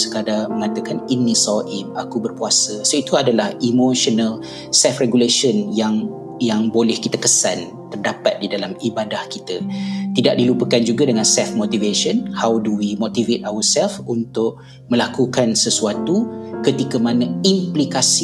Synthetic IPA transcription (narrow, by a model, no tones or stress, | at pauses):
sə̥kadaməŋat̪əkaninːĩsɔʔimakubərpuasəsəit̪uadalahimoʃənəl | sɛlfreɡuleʃənjaŋ | jaŋbolɛhkit̪əkəsan | t̪ərdapat̪̚didalamibadahkit̪ət̪idaʔ̚dilupəkand͡ʒuɡadəŋãnsɛlfmõt̪iveʃənhawduwimot̪ivet̪̚awəsɛlfunt̪ʊʔ̚ | mə̃lakukansəsuat̪ukət̪ikəmãnə̃implikasi